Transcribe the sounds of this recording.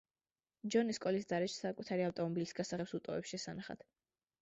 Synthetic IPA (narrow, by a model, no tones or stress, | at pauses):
d͡ʒɔniskʼɔlisd̪aɾɛʃsakʼut̪ʰaɾiaft̪ʼɔmɔbilisɡasaʁɛpsut̪ʼɔvɛpsʃɛsanaχa̰t̪ʰ